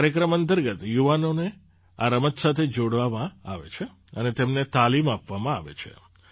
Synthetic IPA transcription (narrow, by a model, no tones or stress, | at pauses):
ɾjəkɾəmənt̪əɾɡət̪juʋanone | a̰ɾəmət̪sat̪ʰed͡ʒoɽʋamãa̰ʋḛt͡ʃʰe | ənet̪emnet̪alimapʋamãa̰ʋḛt͡ʃʰḛ